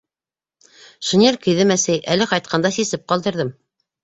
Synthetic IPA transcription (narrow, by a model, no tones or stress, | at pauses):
ʃŭnʲelʲkɵ̆jðɘmæsɘjʔælɘqɑjt̪̚qʰɑnd̪ɑsisɘp̚qɑlˠd̪ɤ̆ɾðɤm